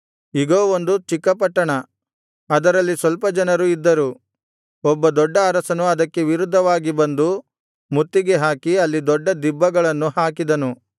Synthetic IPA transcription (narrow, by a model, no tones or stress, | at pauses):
iɡoːond̪ut͡ʃikːɐpɐʈːɐɳɐ | ɐd̪ɐɾɐlːisʋɐlpɐd͡ʒɐnɐɾuid̪ːɐɾu | ɔbːɐd̪ɔɖːɐːɾɐsɐnuɐd̪ɐkːe̞ʋiɾud̪ʱːɐʋaːɡibɐnd̪u | mut̪ːiɡe̞ɦaːkiɐlːid̪ɔɖːɐd̪ibːɐɡɐɭɐnːuɦaːkid̪ɐnu